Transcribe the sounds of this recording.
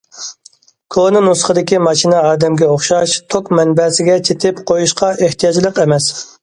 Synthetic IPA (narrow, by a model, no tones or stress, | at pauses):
kʰonɨnusχəd̪ɪkʲimɑʃinɛɑːd̪ɛmɡʲɛoχʃɑʃt̪ʰokmɛnbɛsɪɡʲɛt͡ʃʰet̪ʰɪpqʰojuʃqɑʔeht̪ʰijɑd͡ʒlˠəqɛmɛs